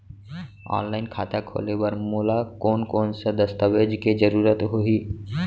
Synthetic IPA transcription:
ɔ̰ːnlaːɪnkʰaːt̪ʰakʰo̰ːlebəɾmoːlakoːnkoːnsad̪əst̪əʋeːd͡ʒked͡ʒəɾuːɾət̪ɦoiː

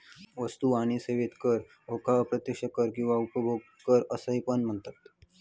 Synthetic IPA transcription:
ʋəst̪uaɽ̃iseʋet̪kəɾ | ɦokaəpɾət̪jəkʂəkəɾkĩw̃ʋaupəbʱoɡ̚ | kəɾəsəɦipənm̤əɳt̪at̪

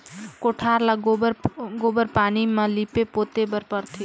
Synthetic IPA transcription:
koʈʰaɾlaɡɾɡobəɾpaːnimãlipepot̪ebəɾpəɾt̪ʰi

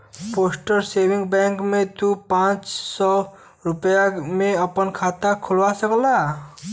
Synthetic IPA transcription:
poːsʈəɾseːwɪ̃ŋɡbɛ̃ːŋkmẽt̪upãːt͡ʃsɔ | ɾʊpjamẽɐpənkʰaːt̪akʰʊlwasəkla

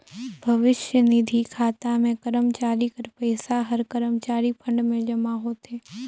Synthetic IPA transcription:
bʱɐʋɪʃjənɪd̪ʱikʰaːt̪amẽkəɾəmt͡ʃaːɾikəɾpəːsaɦəɾkəɾəmt͡ʃaːɾipʰə̃ɳɖmẽd͡ʒɐmaɦoːt̪eː

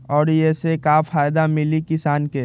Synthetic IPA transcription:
ɔːɾjesekafaːjd̪amɪlikɪsaːnke

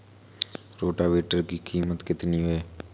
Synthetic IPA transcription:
ɾoːʈaːʋeːʈəɾkiːkʰiːmət̪kɪt̪niːɦoeː

